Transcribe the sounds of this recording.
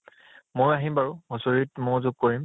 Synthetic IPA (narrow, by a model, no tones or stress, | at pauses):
mojaɦimbaɹuɦosoɹitmojzʊɡ̚koɹim